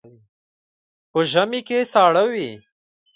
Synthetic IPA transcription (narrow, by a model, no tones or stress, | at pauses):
pəʒamikesɑːɽawi